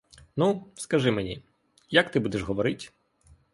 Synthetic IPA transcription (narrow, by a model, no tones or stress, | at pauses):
nuskɐʒɪmenʲḭ | jɐkt̪ɪbud̪ɛʃɦɔʋɔɾɪtʲ